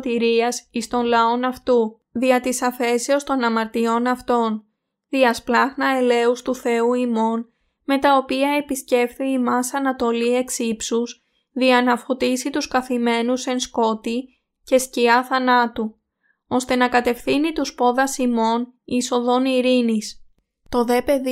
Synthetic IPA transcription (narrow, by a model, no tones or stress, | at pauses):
t̪iɾiɐsist̪o̞nlɐo̞nɐft̪u | ðiɐt̪isɐfe̞seost̪o̞nɐmɐɾt̪io̞nɐft̪o̞n | ðiɐsplɐɣnɐe̞le̞ust̪uθe̞uimo̞n | me̞t̪ɐo̞piɐe̞pisce̞fθiimɐsɐnɐt̪o̞lie̞ksipsus | ðiɐnɐfot̪isit̪uskɐθime̞nuse̞nsko̞t̪i | ce̞sciɐθɐnɐt̪u | o̞st̪e̞nɐkɐt̪e̞fθinit̪uspo̞ðɐsimo̞niso̞ðo̞niɾinis | t̪o̞ðe̞pe̞ð